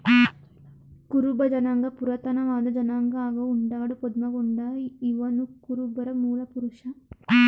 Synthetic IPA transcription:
kuɾubɐd͡ʒɐnaŋɡɐpuɾɐt̪ɐnɐʋaːd̪ɐd͡ʒɐnaːŋɡɐaːɡɐuɳɖaːɽupɔd̪mɐɡɔɳɖɐiʋɐnukuɾubɐɾɐmuːlɐpuɾuʂɐ

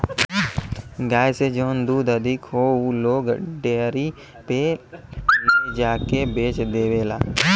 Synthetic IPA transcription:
ɡaːjsed͡ʒoːnd̪uːd̪əd̪ʱɪkɦouloːɡɖeːɾi | pe | ed͡ʒaːkebeːt͡ʃd̪eːʋeːlaː

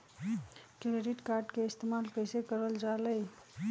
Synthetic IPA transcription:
kɾeɖiʈkaɾɖkeɪst̪emalkəjsekəɾəld͡ʒaləj

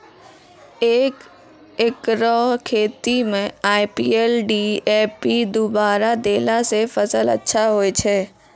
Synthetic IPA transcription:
eːk | ɪkɾɔɦkʰeːt̪imẽaːɪpiːeːlɖiːeːpid̪obaːɾad̪eːlasefəsələ̰tːʃʰaɦoet͡ʃʰɛː

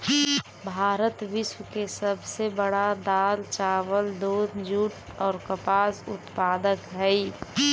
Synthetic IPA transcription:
bʱaːɾət̪ʋɪswkesəbsebəɽad̪aːlt͡ʃaːwəld̪oːd̪d͡ʒuːʈ | ɔːɾkəpaːsʊt̪paːd̪əkɦɛi

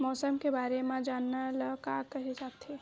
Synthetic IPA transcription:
mɔːsəmkebaːɾemãd͡ʒaːnːaləkakəɦet͡ʃaːkt̪ʰe

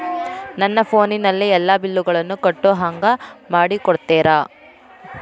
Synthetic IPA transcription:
nɐnːɐpʰo̞ːninɐlːiɛlːaːbilːuɡɐɭɐnːukɐʈːoɦɐŋɡɐmaːɽikɔɽt̪ːɛːɾaː

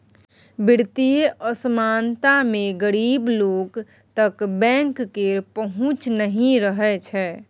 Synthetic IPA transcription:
biɽt̪ijeʔəsəmant̪ameɡəɾibloɡ | t̪əkbɛ̃ŋkːeɾpəɦũt͡ʃnəɦĩɾəɦɛt͡ʃʰɛ

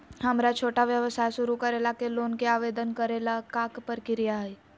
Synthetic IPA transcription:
hɐmɾat͡ʃʰoːʈaʋjəʋəsaːjʃʊɾukəɾeːlakeloːnkeaːʋeːd̪ənkəɾeːlakaːkpəɾkɪɾijaɦɛi

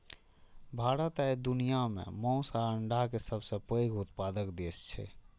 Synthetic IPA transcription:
bʱaːɾət̪ajd̪unijamḛ̃mɔ̃ʊsaəɳɖʱakesəbsə̃pəjɡut̪pad̪əkd̪est͡ʃʰɛ̰

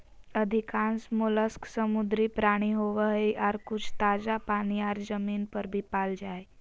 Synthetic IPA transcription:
əd̪ʱikãnsmuləsksəmud̪ɾipɾaɽ̃iɦoʋəɦjʔaɾkut͡ʃʰt̪ad͡zapaɽ̃iaɾd͡zəminpəɾbʱipald͡ʒaj

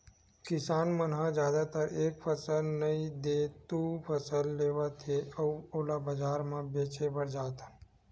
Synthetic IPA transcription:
kɪsaːnmənɦãd͡ʒjaːd̪at̪əɾeːkpʰəsəlnəĩd̪eːt̪upʰəsəlːeːʋat̪ʰeɔːoːlabəd͡ʒaːɾmãbeːt͡ʃebəɽd͡ʒaːt̪ʰa

